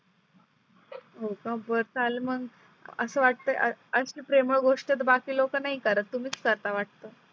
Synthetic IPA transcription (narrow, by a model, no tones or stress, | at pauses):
ɦokãbəɾt̪ʰaleməɡ | ə̰səːʋaʈ̚t̪əʔə̰əɕiːpɾeməɭɡoʂʈet̪bakiːlokənaɦikəɾət̪ːum̤iːt͡skəɾt̪aʋaʈ̚t̪əː